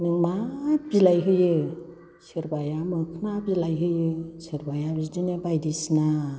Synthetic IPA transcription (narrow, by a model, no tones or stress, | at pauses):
nɯŋmab̥ilajɦɯjɯ | sɯɾbajamɯkʰɯnabilajɦɯjɯsɯɾbajabidinɯbajdisna